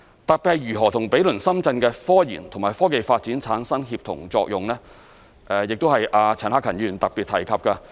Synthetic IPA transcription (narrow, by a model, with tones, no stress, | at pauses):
t̪ɐ˨k̚pɛː˧jyː˨˩ɦɔː˨˩t̪ʰʊ˨˩ŋpe˨˥jlɵ˨˩nsɐ˥mt͡sɐ˧nkɛː˧fɔː˥jḭː˨˩nt̪ʰŋmaː˨˩jfɔː˥ke˨jfaː˧t̚t͡siː˨˥nt͡sʰaː˨˥nsɐ˥ŋɦiː˧p̚t̪ʰʊ̰˨˩ŋt͡sɔː˧k̚jʊ˨ŋlɛː˥ | ʔɛː˨˧jɪ˨k̚t̪o˥hɐ˨jʔaː˧t͡sʰɛː˨˩nhaː˥kʰːɐ˨˩nyː˨˩nt̪ɐ˨k̚pi˨t̪ʰɐ˨˩jkʰɐ˨˧p̚kɐ˧